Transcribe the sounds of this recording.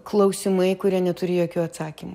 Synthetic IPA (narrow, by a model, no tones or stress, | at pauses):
klˠɐʊsʲɪmɐɪkʊɾʲiɛnʲɛt̪ʊɾʲɪːjoːkʲuːɐt̪sɑːkʲiːmʊ